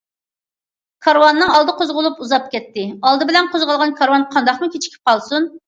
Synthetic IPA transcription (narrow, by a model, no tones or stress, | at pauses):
kʰɑɾwɑnːɨŋɑlˠd̪ɨqʰozʁʊlˠupuzɑp̚kʲɛt̪ːɪɑlˠd̪ɨbɪlɛnqʰozʁɑlˠʁɑnkʰɑɾwɑnqʰɑnd̪ɑχmɨkʲet͡ʃʰi̥kʲʰi̥p̚qɑlˠsun